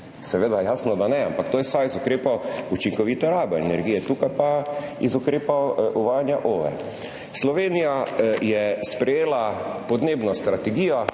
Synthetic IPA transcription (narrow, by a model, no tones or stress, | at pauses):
sɛʋeːd̪ajaːsnɔd̪anɛampakt̪oːjɛsajzʊkɾeːpɔut͡ʃiŋkɔʋit̪ɛɾaːbɛɛnɛɾɡijɛt̪uːkajpaizʊkɾeːpɔʔuʋaːjanjaʔoːʋɛ̰ | slɔʋeːnijajɛspɾɛjeːlapɔd̪neːbnɔst̪ɾat̪ɛɡiːjɔ